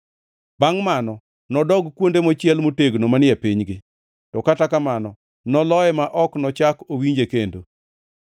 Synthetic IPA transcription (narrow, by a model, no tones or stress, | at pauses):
baŋmanɔ | nɔdɔɡkwondemot͡ʃɪjɛlmoteɡnomanɪɛpiɲɡɪ | tɔkatakamanɔ | nɔlɔɛmaʔɔknɔt͡ʃakowiɲd͡ʒekendo